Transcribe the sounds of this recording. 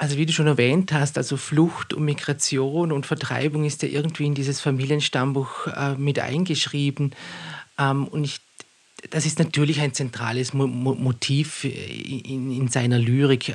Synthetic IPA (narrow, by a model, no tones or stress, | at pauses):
ʔalzoviːduːʃoːnɛɐvɛːnthasta̰lz̥oflʊxtʊ̰ntmiɡʁat͡sjoːnʊntfɛɐtʁ̥a̰ɪbʊŋɪstjaːʔɪɐɡŋ̩tv̥iːɪndiːzəsfamiːljənʃtambuːxɛːmɪtʔa̰ɪnɡəʃʁ̥iːbn̩ʔɛmʊntɪç | d̥asɪstnatʰyːɐlɪçaɪnt͡sɛntʁ̥a̰ːləsmmotʰiːfʔɪ̰ɪnzaɪnɐlyːʁɪk